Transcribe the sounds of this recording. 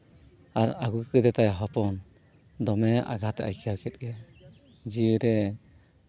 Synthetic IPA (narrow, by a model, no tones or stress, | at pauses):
aɾaɡukkəd̪ɛt̪ajɦɔpɔn | d̪ɔmɛʔa̰ɡat̪ɛʔa̰jkʰiawkʰɛt̪̚ˀɡɛ | d͡ʒiɯɾɛ